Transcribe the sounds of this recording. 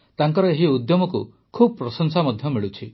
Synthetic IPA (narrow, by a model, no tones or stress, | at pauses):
t̪aŋkɔɾɔeɦiud̪jɔmɔkṵ | kʰubɔpɾɔsɔŋsamɔd̪ʱjɔmiɭut͡ʃʰi